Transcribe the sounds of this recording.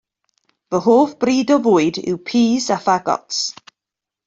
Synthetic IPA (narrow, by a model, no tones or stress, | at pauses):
vəɦoːfb̥riːdɔvʊːjɨdɪ̰wpʰiːzafaɡɔ̰ts